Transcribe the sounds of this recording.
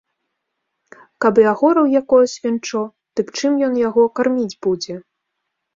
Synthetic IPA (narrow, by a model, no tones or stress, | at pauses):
kabɨjaɣɔɾɐwjakɔjɐsʲvʲint͡ʂɔ | t̪ɨpt͡ʂɨmjɔnjaɣɔkarmʲid͡zʲbud͡zʲɛ